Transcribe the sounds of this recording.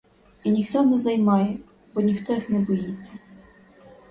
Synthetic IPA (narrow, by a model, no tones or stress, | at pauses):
inʲixt̪ɔnɛzɐjmɑjɛ | bɔnʲixt̪ɔjixnɛbɔjit͡sʲːɐ